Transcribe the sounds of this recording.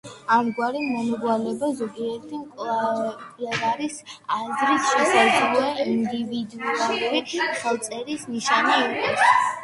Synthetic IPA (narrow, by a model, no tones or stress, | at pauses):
aɾɡwaɾimɔnɔɡalɛbazɔɡiɛɾt̪ʰimkʼlˠa | vaɾisazɾisʃɛsazlɔɛind̪ivid̪ualuɾiχɛlˠt̪sʼɛɾisniʃaniɔkʼɔts